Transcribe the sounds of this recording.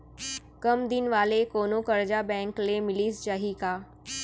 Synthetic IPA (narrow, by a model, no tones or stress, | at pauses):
kɐmd̪ɪnʋaːlekoːnokɐɾd͡ʑabɛ̃ːŋklemɪliːst͡ʃaːɦikaː